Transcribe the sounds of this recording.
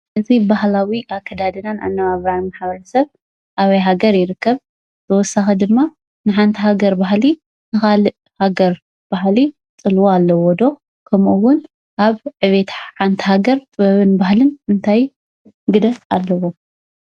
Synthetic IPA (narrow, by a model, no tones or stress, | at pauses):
ʔɨzibahlawiʔakʰːɐd̪ad̪ɨnana̰nːɐβaβɾajmaħbɐɾɐsɐβ | ʔaβɐjɦaɡɐɾjɪɾɨkːɐβ | zʰɐwɔsːaxid̪ɨmːa | nɨħant̪ʰiɦaɡɐɾbaɦli | nɨxalɨʔ | haɡɐɾ | b̥ahli | t͡sʼɨlwoalːɐwɔd̪o̞ | kʰɐmʔuwʊn | ʔaβʕɨβet̪ʰħant̪ʰi̥ɦaɡɐɾt̪ʼβɐβɨnbahlɨnɨnt̪ʰaj | ɡɨd̪ɐfalːɐwo